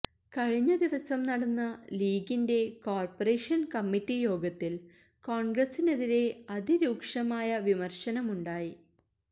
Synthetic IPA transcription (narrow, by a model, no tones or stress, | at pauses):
kɐɻiɲːɐd̪iʋɐsɐmnɐɽɐnːɐliːɡinde̞koːrpɐreːʂɐnkɐmːitːijo̞ːɡɐt̪ːil | koːɳɡɾɐsine̞ðiɾe̞ɐd̪iɾuːkʂɐmaːjɐʋimɐrɕɐnɐmuɳɖaːji